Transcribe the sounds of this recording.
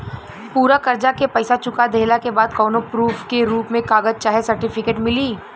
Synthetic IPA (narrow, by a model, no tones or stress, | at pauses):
puːɾakɐɾd͡ʒakepɐɪsat͡ʃʊkad̪eːlakebaːd̪kɔːnopɾuːfʰkeɾuːpmẽkaːɡəd͡ʒ̚t͡ʃaːɦesɐɾʈɪpʰɪkeːʈmɪliː